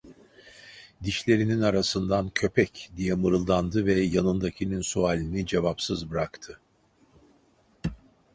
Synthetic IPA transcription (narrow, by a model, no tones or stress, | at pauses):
d̪iʃlʲe̞ɾininaɾasɯnd̪ancʰø̞pʰɛcd̪ijɛmɯɾɯlˠd̪and̪ɯvɛjanɯnd̪acʰininsualʲinid͡ʒe̞vapsɯzbɯɾakt̪ʰɯ